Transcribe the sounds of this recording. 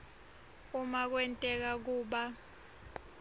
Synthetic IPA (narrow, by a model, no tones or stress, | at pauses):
umak̬wɛntʼɛk̬ak̬uːɓa